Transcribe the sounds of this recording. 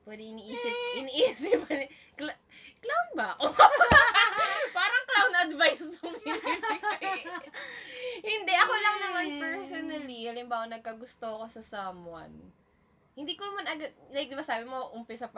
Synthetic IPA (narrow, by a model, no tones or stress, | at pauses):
pwɛːd̪ɛʔɪniːʔiːsɪp̚ʔɪniːʔiːsɪp̚ɐn | kl | klawnbɐɐko | paːɾɐŋklawnɐd̪vajssɐm | hɪnd̪ɛʔɐkolɐŋnɐmanpɛɹsonɐliɐlɪmbaːwɐnɐɡ̚kɐɡʊst̪oɐko̞sɐsɐmwɐ̰n | hɪnd̪iːkonɐmanɐɡad̪̚lajk̚d̪ɪbasaːbɪmoʔʊmpɪsɐp